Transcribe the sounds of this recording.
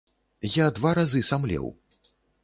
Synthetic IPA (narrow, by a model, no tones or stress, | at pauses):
jad̪vaɾazɨsamlʲɛ̰w